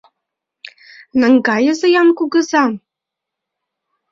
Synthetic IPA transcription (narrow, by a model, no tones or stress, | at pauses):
nɤ̆ŋɡɑjɤ̆zɤ̆jɑnkuɡɤ̆zɑm